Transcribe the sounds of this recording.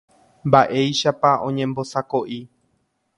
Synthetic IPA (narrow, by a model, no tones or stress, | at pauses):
mbaʔe̞jʃapaʔõ̞ɲẽ̞mbo̞sakoʔi